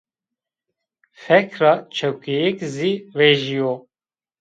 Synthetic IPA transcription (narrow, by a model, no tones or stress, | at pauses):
fɛkɾɑt͡ʃʰɛwkɛjɛkziveʒijo